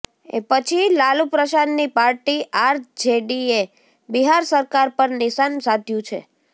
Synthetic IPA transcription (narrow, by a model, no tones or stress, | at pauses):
ḛpət͡ʃʰilalupɾəʃanːipaɾʈiʔaɾd͡ʒeɖie | biɦaɾsəɾkaɾpəɾnɪʃansad̪ʱjũt͡ʃʰḛ